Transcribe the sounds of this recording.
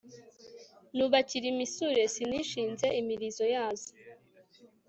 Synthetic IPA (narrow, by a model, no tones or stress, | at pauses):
nuβaciɾimisuɾe̞siniʃiːnze̞imiɾizo̞jaːzo̥